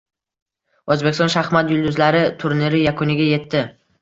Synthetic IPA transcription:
ozbe̞kʲɪst̪ɒnʃaχmat̪jʊlˠd̪ʊzlaɾɪt̪ʰʊɾniɾɪjakʰʊnɪɡʲaje̞t̪ːɪ

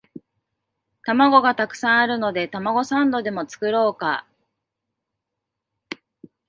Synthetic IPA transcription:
t̪amaɡo̞ɡat̪akɯ̟̥sãɰ̃aɾɯ̟no̞d̪e̞t̪amaɡo̞sãnd̪o̞d̪e̞mo̞t͡sɨ̥kɯ̟ɾo̞ːka̰

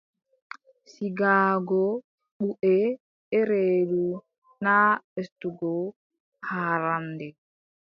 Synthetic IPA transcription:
siɡaːɡɔ | ɓuʔɛ | ɛɾeːɗu | naestuɡɔ | haːɾandɛ

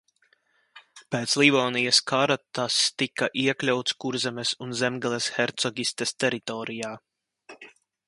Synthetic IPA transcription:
peːt̪slivɔːnijɐskʰaɾat̪ast̪ikaʔiɛklʲawt̪skuɾzɛmɛsunzɛmɡɛlˠɛsxɛɾt̪sɔɡʲist̪ɛst̪ɛɾit̪ɔɾijaː

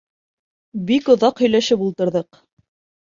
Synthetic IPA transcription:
bikŏðɑqhɵ̆jlæʃɘpulˠt̪ɤ̆ɾðɤq

